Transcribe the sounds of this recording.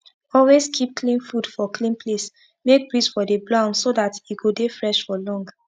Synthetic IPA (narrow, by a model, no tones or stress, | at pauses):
ɔlweskʰip̚klĩnfud̥fɔklĩnpʰles | mek̚bɹisfɔdəblãnsodatiɡodefɹɛʃfɔlɔ̃ŋɡ